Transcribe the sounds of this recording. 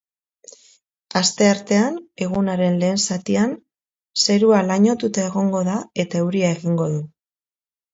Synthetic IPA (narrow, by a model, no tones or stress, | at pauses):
ast̪e̞aɾt̪e̞ane̞ɣ̞unaɾe̞nle̞ːnsat̪ian | se̞ɾualaɲo̞t̪ut̪ae̞ɣo̞ŋɡo̞ðae̞t̪aewɾiae̞ɣiŋɡo̞ðu